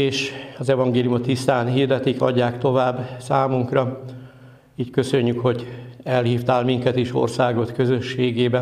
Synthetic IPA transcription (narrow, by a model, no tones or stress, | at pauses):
eːʃɒzɛvɒŋɡeːliumot̪ːist̪aːnhiːrd̪ɛt̪ikɒ̰ɟːaːkt̪o̞vaːbːsaːmuŋkrɒ | iːckø̞søɲːykho̞ɟɛlhiːft̪aːlmiŋkɛt̪eːʃo̰rsaːɡo̞t̪køzø̞ʃːeːɡeːbɛ